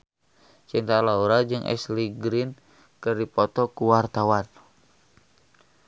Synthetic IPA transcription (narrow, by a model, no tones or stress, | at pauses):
t͡ʃint̪alauɾad͡ʒɨŋʔɛ̰sliɡɾin | kɨrdipɔt̪ɔkuwart̪awan